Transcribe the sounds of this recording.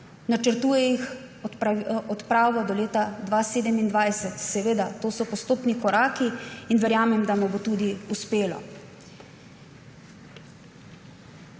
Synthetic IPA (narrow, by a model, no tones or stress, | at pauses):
nat͡ʃəɾt̪uːjɛix | ɔt̪pɾaːʋɔd̪ɔleːt̪ad̪ʋaseːd̪ɛmind̪ʋajsɛt̪sɛʋeːd̪at̪oːsɔpɔst̪oːpnikɔɾaːkiinʋɛɾjaːmɛmd̪amɔbot̪ud̪iuspeːlɔ̰